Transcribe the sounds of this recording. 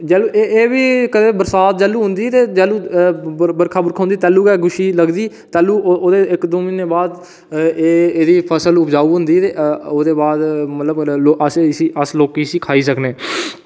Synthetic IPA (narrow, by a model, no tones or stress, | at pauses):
d͡ʒɛːluːʔeeːʋiːkəd̪eːbəɾsaːt̪̚d͡ʒɛːlːuːɦʊnd̪iːt̪eːd͡ʒɛːluː | bəɾkʰaːbəɾkʰãʊ̃nd̪iːt̪ɛːluːkɛːɡʊʃiːləɡd̪iː | t̪ɛːluːoːd̪eːɪkd̪oːmɪ̃neːbaːd̪ | eːeːd̪iːpʰəsəlʊpd͡ʒaːuːɦʊ̃nd̪iːt̪eːoːd̪eːbaːd̪mət̪ləboʔəssiːəsloːkiːsiːkʰaːiːsəkneː